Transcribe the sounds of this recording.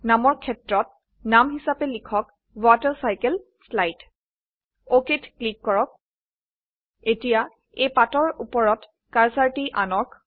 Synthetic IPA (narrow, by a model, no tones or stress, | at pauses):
namɔɹkʰɛtɹɔt̚ | namɦisapɛlikʰɔk | vataɹsajkɛl | slajt | oketklikːɔɹɔk̚ | etija | epatɔɹupɔɹɔt | kaɹsaɹtiʔanɔk